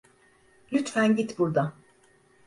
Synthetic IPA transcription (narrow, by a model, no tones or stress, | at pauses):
lʲyt̪fænɟit̪buɾd̪a